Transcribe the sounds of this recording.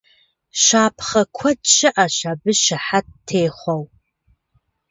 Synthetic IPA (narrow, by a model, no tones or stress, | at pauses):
ʃaːpʰχɐkʷʰɔtt͡ʃʃɪʔaɕaːbɨʃɪħat̚tʰːeːχʷɔw